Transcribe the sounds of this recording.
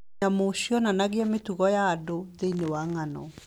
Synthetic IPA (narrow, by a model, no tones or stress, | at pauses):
amoɕiɔnanaɣeametuɣɔjaːdoðeinewaŋanɔ̰